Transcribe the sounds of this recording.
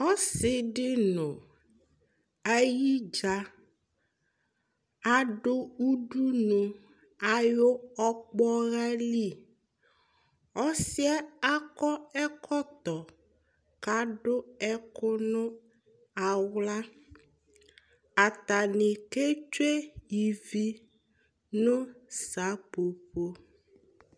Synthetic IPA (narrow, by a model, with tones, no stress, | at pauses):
ɔ˦sɪ˨ɖɪ˦nʊ̃˨ | a˦ji˦d͡ʒa˦ | a˦ɖo˦u˦ɖu˦nũ˨ | a˨jo˦ɔ˦k͡pɔ˦ɣa˦li˦˨ | ɔ˦si˦ɛ˦a˦kɔ˦ɛ˦kʰɔ˦t̪ɔ˨ | ka˨˦ɖʊ˦ɛ˦kʊ˦nʊ̃˦ | a˨wla˦ | a˨t̪a˨nɪ˨ke˦t͡ʃe˦ji˨vi˦ | nʊ̃˦sa˨˦po˨po˦